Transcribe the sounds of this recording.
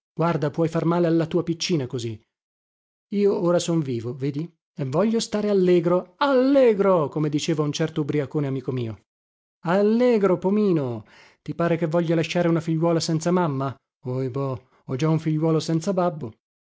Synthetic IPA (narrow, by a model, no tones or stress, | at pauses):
ɡ̥ward̪apwɔjfarmaːlealːat̪uːapit͡ʃːiːnakozi | iːooːɾasoɱviːvoveːd̪i | evːɔʎːost̪aːɾealːɛːɡɾoalːɛːɡɾokomed̪it͡ʃeːvaunt͡ʃɛrt̪obɾiakoːneamiːkomiːo | alːɛːɡɾopomiːno | t̪ipaːɾekevːɔʎːalaʃːaːɾeunafiʎːwɔːlasɛnt̪samamːa | ojbɔ | ɔd͡ʒauɱfiʎːwɔːlosɛnt̪sababːo